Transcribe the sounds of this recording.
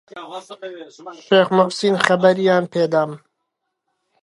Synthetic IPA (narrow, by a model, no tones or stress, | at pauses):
ʃeːχmʊʔsiːnχɐbɐɾijaːnpʰeːd̪aːm